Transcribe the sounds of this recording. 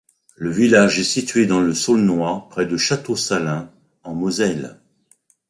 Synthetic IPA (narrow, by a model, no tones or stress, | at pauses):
ləvilaʒɛsit̪ɥed̪ɑ̃ləsɔlnwaʁpχɛd̪əʃat̪osalɛ̃ | ɑ̃mozɛl